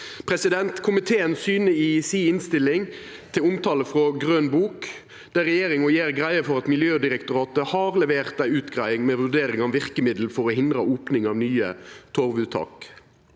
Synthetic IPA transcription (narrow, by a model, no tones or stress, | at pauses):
pʰɾɛsɪd̪ɛnt̪kʰʊmɪt̪ʰeːənsyːnəɪsiːɪnst̪ɪlɪŋ | t̪ʰɪlʊmt̪ʰɑːləfʁɔɡʁøːnbuːk | d̪̥æʁɛjeːɾɪŋɔjeːʁɡʁæɪəfɔʁɑt̪mɪljøːd̪ɪɾɛkt̪ʊɾɑːt̪əhɑːʁlɛʋeːʁt̪æɪʉːt̪ɡʁæɪɪŋmɛʋʉʁɖ̪eːɾɪŋɑʋʋɪʁkəmɪd̪l̩fɔɾɔhɪnd̪ɾəuːpnɪŋɑːʋnyːə̰t̪ʰɔʁʋʉːt̪ʰɑ̰ːk